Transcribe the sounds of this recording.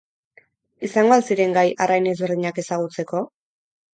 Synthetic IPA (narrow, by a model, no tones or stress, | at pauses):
isaŋɡo̞alsiɾe̞ŋɡajarajne̞zβeɾð̞iɲake̞saɣ̞ut͡se̞ko̞